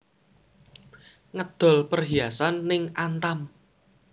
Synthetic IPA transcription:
ŋəd̪̥ɔ̤lpərɦiasanːɪŋʔant̪am

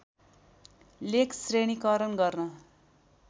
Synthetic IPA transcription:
lekʰsreɽ̃ikʌɾʌnɡʌrnʌ

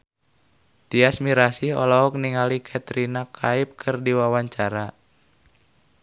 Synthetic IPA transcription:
t̪iasmiɾasiɔ̰lɔɔk̚niŋalikʰat̪ɾinakʰaip̚kʰɨrdiwawaɲt͡ʃaɾa

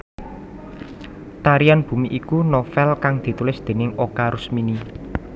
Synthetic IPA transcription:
t̪aɾijanb̥ṳmiʔikunɔfɛlkaŋd̪̥i̤t̪ulɪsd̪̥e̤nɪŋokaɾʔʊsmini

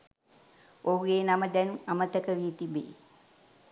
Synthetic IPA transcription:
ʔoɦuɡeːnaməd̪ænuamət̪əkəʋiːt̪ibḛː

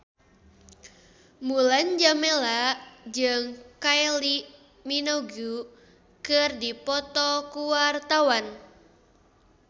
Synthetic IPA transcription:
muland͡ʒamelad͡ʒɨŋkaɛli | minoɡu | kɨrdipɔt̪ɔkuwart̪awan

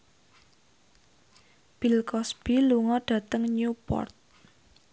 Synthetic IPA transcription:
b̥ilkɔsb̥iluŋɔɖ̥ä̤t̪əŋɲupɔ̰rt̪̚

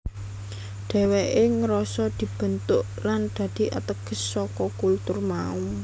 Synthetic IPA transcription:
ɖ̪̥ɛ̤weʔeŋəɾɔsɔd̪̥i̤b̥ə̤nt̪ʊʔland̪̥a̤d̪̥i̤ʔa̰t̪əɡ̥ə̤sːɔkɔkult̪ʊrmaum

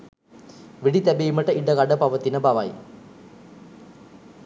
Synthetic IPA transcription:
ʋiɽit̪ɐbejumɐʈːɐʔiɖɐkɐɖɐpɐʋɐt̪ːinɐbɐʋaj

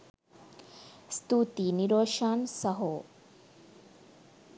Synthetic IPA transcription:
st̪ut̪iniɾoːʃaːnsɐɦoː

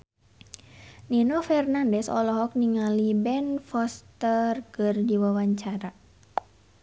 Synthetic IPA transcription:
ninɔfɛrnandɛsɔ̰lɔɦɔk̚niŋalibɛnfɔst̪ərkɨrd͡ʒiwawaɲt͡ʃaɾa

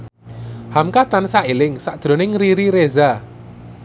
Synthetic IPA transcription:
hamkat̪ansaʔelɪŋsaʔd̥ʒ̥ɾo̤nɪŋriɾiɾeza

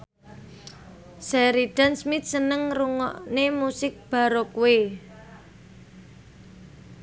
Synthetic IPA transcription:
saɾiɖ̥a̤nsmɪt̪̚sənəŋruŋɔʔnemusɪk̚b̥a̤ɾokue

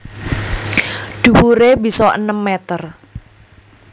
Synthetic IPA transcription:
ɖ̥ṳwuɾebisɔə̰nəmːet̪ər

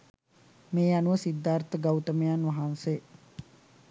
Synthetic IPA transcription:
meːanuʋəsid̪ːaːrt̪əɡawt̪əmejanʋaɦanse

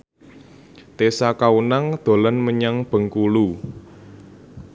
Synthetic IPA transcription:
t̪esakaunaŋd̪̥o̤lanməɲaŋb̥ə̤ŋkulu

